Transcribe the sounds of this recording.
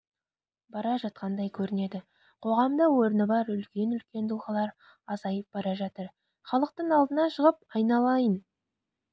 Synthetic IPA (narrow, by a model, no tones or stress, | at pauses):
bɑɾɑʒɑt̪̚qɑnd̪ɑjkʲʰɵɾɪne̞d̪ɪ | qʰo̞ʁɑmd̪əwo̞ɾnəbɑɾʏlkʲe̞nʏlkʲe̞nd̪ʰʊlˠʁɑlˠɑɾ | ɑzɑjəp̚b̥ɑɾɑʒɑt̪əɾ | χɑlˠəq̚t̪əɴɑlˠd̪ənɑʃəʁəp̚ɑjnɑlˠɑjən